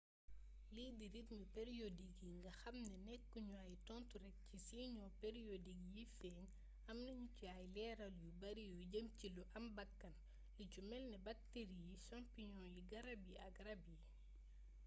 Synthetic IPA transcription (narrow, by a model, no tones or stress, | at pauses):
liːdiɾitɲupɛɾijodikiŋɡɐxɐmnɛnɛkːuɲuajtɔntuɾɛk̚cisiːɲɔːpeɾijodikjifɛːɲ | ɐmnɐɲucuajlɛːɾɐljubɐɾijuɟɐmciluʔɐmbɐkːɐn | licumɛlnɛbɐk̚teɾijiʃampiɲɔːliɡɐɾɐbiɐkrɐbi